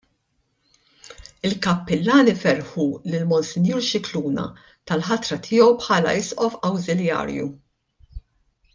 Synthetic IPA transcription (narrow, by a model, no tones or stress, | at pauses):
ɪlkɐpːɪlːɐːnɪfɛɾħulɪlmɔnsɪnjuːɾʃɪkluːnɐ̰ | t̪ɐlħɐt̪ɾɐt̪ʰɪːɔwpħɐːlɐ̰ɪsʔɔfɐwzɪljɐ̰ːɾjṵ